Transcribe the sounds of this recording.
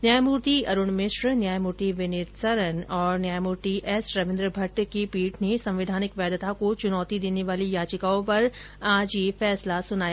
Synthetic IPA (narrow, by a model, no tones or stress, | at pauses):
njaːjmuɾt̪iʔɐɾʊɳmɪʃɾnjaːjmuɾt̪iʋɪnɪt̪sɐɾənɔːɾnjaːjmuɾt̪iʔɛsɾɐʋɪ̃nd̪ɾəbʱɐʈkipiːʈnesɐ̃mʋɪd̪ʱaːnɪkʋɛːd̪t̪akot͡ʃʊnɔːt̪id̪eːneʋaːlijaːt͡ʃɪkaːõpɐɾ | aːd͡ʒjefɛːslasʊnaːja